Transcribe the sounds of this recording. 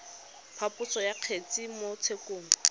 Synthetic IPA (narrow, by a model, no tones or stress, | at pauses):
pʰapʼʊsɔjaq͡χʰet͡sʼimot͡sʰekoːŋ̩